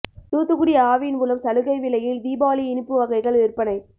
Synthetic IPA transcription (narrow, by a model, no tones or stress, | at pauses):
t̪uːt̪ːɯɣʊɽɪjɐaːʋɪɪnmʊlɐmsɐlɯɣɐɪʋɪlɐjɪld̪iːbaːliɪnɯpːɯʋɐɣɐɪɣɐɭɪrpɐnɐɪ